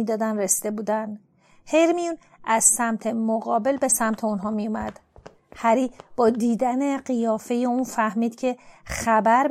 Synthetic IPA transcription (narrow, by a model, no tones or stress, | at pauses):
id̪ɒːd̪ænresid̪e̞buːd̪æn | he̞jɾmijun | ʔæz̥sæmt̪ʰe̞moɣɒːbe̞lbe̞sæmt̪ʰeonɦɒːmijumæ̰d̪̥ | hæɾiːb̥ɒːd̪iːd̪æne̞ɢijɒːfe̞jeunfæhmiːd̪̥cʰe̞xæbæɾ